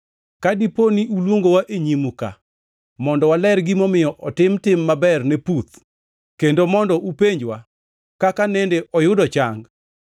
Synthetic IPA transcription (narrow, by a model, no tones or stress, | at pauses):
kadiponiʔulwoŋɡowaʔeɲimuka̰ | mɔndɔwalɛrɡimɔmɪjɔʔɔtɪmtɪmːabɛrnɛput̪ | kendomɔndɔʔupeɲd͡ʒwa | kakanɛndeʔɔjʊdɔt͡ʃaŋɡ